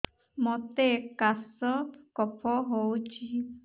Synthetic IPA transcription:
mɔt̪ekasɔkɔpʰɔɦowt͡ʃʰi

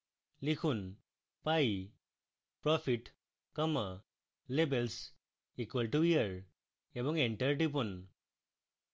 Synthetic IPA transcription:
likʰun | paj | pɹɔpʰiʈ | kɔma | lebels | ikwelʈuijəɹ | ebɔŋɛɳʈəɹʈip̬un

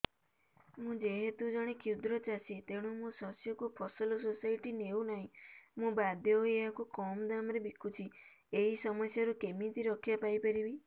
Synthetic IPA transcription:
mũd͡ʒeɦet̪ud͡ʒɔɽ̃ikʰiwd̪ɾɔt͡ʃasit̪eɽ̃umũsɔsjɔkupʰɔsɔlɔsosajʈineunaɦĩmũbad̪ʱjɔɦojeakukɔmɔd̪amɔɾebikʰut͡ʃʰieɦisɔmɔsjaɾukemit̪iɾɔkʰjapajpaɾibi

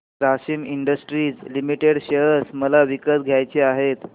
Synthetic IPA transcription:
ɾaɕiːmiɳɖəsʈɾiːd͡zlimiʈeɽɕeɦəsməlaʋikəsɡʱjajt͡ɕeaɦet̪

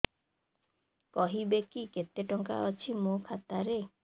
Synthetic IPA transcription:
kɔɦibekiket̪ːeʈɔŋka̰ɔt͡ʃʰimokʰat̪aɾe

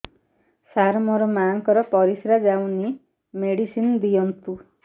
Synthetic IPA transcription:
saɾmʌɾɔmaŋkɔɾɔpɔɾisɾad͡ʒawni | meɽisind̪ijʌnt̪u

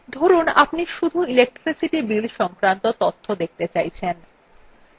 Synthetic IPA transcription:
d̪ʱɔɾunapniʃud̪ʱuilek̚ʈɾisiʈibilʃɔŋkɾant̪ot̪ot̪ʰːod̪ek̚t̪et͡ɕajt͡ɕʰen

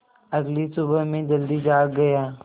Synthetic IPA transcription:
ɐɡlisʊbəɦmẽːd͡ʒɐld̪iːd͡ʒaːɡɐjaː

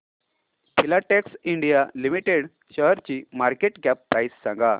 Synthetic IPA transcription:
pʰilaʈeksiɳɖijalimiʈeɽ | ɕəɦɾt͡ɕimaɾkeʈɡæpːɾajsːãŋɡa

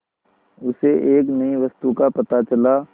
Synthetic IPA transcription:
ʊseʔeːknɐĩʋɐst̪ukapɐt̪at͡ʃɐla

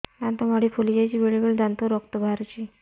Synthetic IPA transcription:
d̪ant̪ɔmaɽifʰolid͡ʑajt͡ɕiːʋeɭibəɭd̪ant̪oɾɔkt̪əbʱaɾt͡ɕi

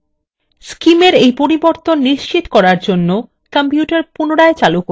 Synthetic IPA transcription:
skimeɾejpoɾiboɾt̪onːiʃt͡ɕit̪okɔɾaɾd͡ʑonːo | kampjuʈaɾpunoɽaet͡ɕaluko

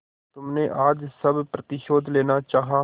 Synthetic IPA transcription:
t̪ʊmnẽːʔaːd͡ʒsəbpɾət̪ɪʃoːd̪leːnaːt͡ʃaːɦaː

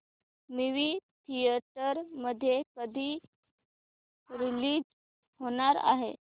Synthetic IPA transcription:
miʋiːt̪ʰijəʈəɾməd̪ʱːjekəd̪ʱiː | ɾiliːd͡ʑ | ɦoɽ̃aɾa̰ɦḛ

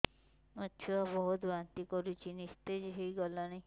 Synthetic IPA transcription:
ɔʃʰuabɔɦut̪bant̪ikɔɾit͡ʃʰinist̪ed͡ʒeɦejɡɔlanaj

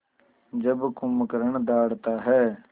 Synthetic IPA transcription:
d͡ʒəbkʊmkəɾəɳd̪aːɽt̪aːɦɛː

